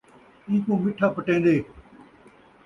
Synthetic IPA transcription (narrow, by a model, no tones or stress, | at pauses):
ĩːkõːmɪʈʰaːpəʈẽːnd̪eː